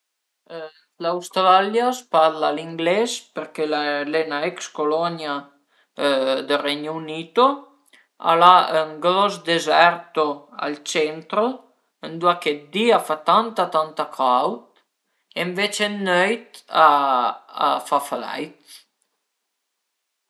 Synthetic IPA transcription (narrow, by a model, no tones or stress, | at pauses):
lawst̪ɾaljaspaɾlaliŋɡlɛzpəɾkɛlalɛnaɛkskolɔnja | d̪ərɛɲunit̪o | a̰laəŋɡlɔzd̪ɛzɛɾt̪oa̰lt͡ʃɛnt̪ɾo | ənd̪uakɛt̪̚d̪iafat̪ant̪at̪ant̪akʰawt̪̚ | ɛɱvɛt͡ʃɛnœjt̪a̰ː | fafla̰jt̪